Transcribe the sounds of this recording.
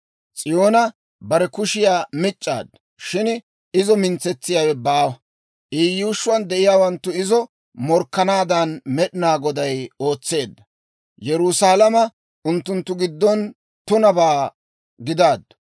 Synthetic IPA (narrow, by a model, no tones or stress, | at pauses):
t͡sʼɪjo̞ːnɐ | bɐɾɛkʊʃɪjaːmɪt͡ʃʼːa̰ːd̪ːɐ | ʃɪn | ɪzɔmɪnt͡sːɛt͡sːɪjaːwɛbaːwɐ | ʔiːjːuːʃːʊwɐnd̪ɛʔɪjaːwɐnt̪ːʊɪzɔ | mɔɾkːɐnaːd̪ɐnmɛɗɪnaːɡɔd̪ɐjo̞ːt͡sːe̞ːd̪ːɐ | jɛɾʊsaːlɐmɐ | ʊnt̪ːʊnt̪ːʊɡɪd̪ːɔn | t̪ʊnɐbaː | ɡɪd̪aːd̪ɐ̥